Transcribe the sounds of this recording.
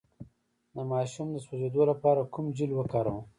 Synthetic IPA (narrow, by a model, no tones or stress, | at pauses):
d̪əmɑːʃumd̪əswozed̪olapɑːɾakumd͡ʒilwəkɑːɾə̃w̃